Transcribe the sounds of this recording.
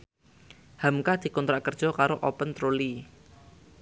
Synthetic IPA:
hamkad̪̥i̤kɔnt̪ɾaʔkərd̥ʒ̥ɔ̤kaɾoʔopənt̪ɾoli

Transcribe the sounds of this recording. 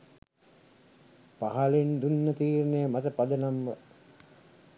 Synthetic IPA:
paɦalend̪unːət̪iːɾnejəmat̪əpad̪ənamʋə

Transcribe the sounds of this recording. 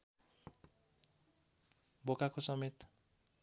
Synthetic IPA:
bokakosʌmet̪

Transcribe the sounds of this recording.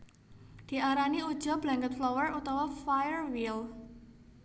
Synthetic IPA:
d̪̥i̤ʔaɾaniud̥ʒ̥ɔ̤b̥laŋɡət̪̚flɔwərut̪awafajərwil

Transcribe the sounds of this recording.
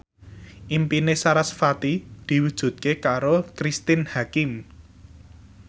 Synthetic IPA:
ʔimpinesaɾasfat̪id̪̥i̤wud̥ʒ̥ṳt̪̚kekaɾokɾist̪ɪnhakɪm

